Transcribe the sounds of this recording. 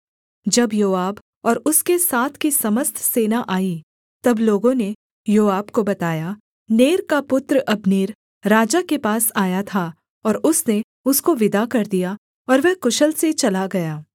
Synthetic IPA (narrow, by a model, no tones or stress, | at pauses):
d͡ʒɐbjoːaːb | ɔːɾʊskesaːt̪ʰkisɐməst̪ʰseːnaʔaːi | t̪ɐbloːɡõne | joːaːbkobɐt̪aːja | neːɾkapʊt̪ɾəʔɐbneːɾ | ɾaːd͡ʒakepaːsaːjat̪ʰa | ɔːɾʊsne | ʊskoʋɪd̪ʱakɐɾd̪ija | ɔːɾʋɛɦkʊʃəlset͡ʃɐlaɡɐjaː